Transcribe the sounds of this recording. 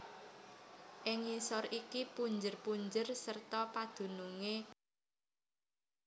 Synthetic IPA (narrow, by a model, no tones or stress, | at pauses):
ʔɪŋisɔɾikipuɲd͡ʒərpuɲd͡ʒərsərt̪ɔpad̪̥ṳnuŋe